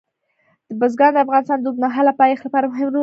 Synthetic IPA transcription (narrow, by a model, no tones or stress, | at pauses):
d̪̥əbʊzɡɑnd̪əafɣɑnɪst̪ɑnd̪ənɑɦalapɑjexlapɑɾamʊɦɪmɾo